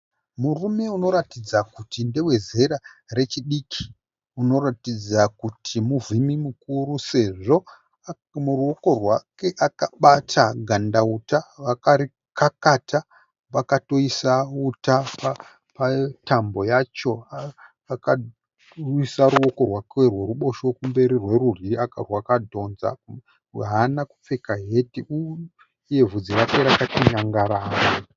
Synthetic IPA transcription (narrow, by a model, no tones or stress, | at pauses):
murume̞uno̞ɾatid͡zakutinde̞we̞ze̞ɾare̞t͡ʃiɗikʰi̥ | uno̞ratid͡zakutʰimuvʱimimukuɾuse̞ʐo̞ | muruo̞ko̞rwake̞ʔakaɓatʰaɡʱandautaʋakaɾi | kakata | ʋakato̞isautapa | patambo̞jat͡ʃo̞a | aka | isaɾuo̞ko̞rwakerwe̞ruɓo̞ʃokumbe̞ɾirwe̞ruriakarwakadʱo̞nza̰ | ɦanaku̥p͡fe̞kaɦe̞tiuː | je̞vud͡zirakeɾakatiɲaŋɡaɾaːro